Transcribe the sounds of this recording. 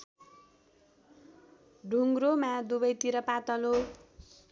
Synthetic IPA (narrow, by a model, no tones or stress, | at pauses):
ɖʱuŋɡromad̪ubʌjt̪iɾʌpat̪ʌlo